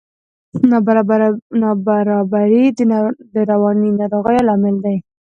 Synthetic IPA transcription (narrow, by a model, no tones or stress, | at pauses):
nbnɑbaɾɑbaɾid̪əɾawɑninɑɾoɣəjolɑmɪld̪aj